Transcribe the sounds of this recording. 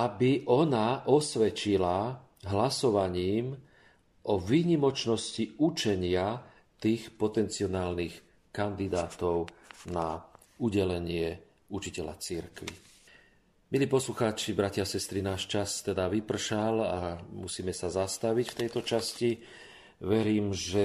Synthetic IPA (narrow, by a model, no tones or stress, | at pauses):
abiʔɔnaʔɔsʋɛt͡ʃila | ɦlasɔʋaɲiːm | ʔɔʋiːɲimɔt͡ʃnɔsciut͡ʃɛɲɪa | t̪iːxpɔt̪ɛnt͡siɔnaːlnix | kand̪id̪aːt̪ɔʊna | uɟɛlɛɲɪɛ | ut͡ʃicɛla̰t͡siɾkʋḭ | miliːpɔsluxaːt͡ʃibɾacɪasɛst̪ɾinaːʃt͡ʃast̪ɛd̪aʋipr̩ʃalamusiːmɛsazast̪aʋicft̪ɛjt̪ɔt͡ʃasci | ʋɛɾiːmʒɛ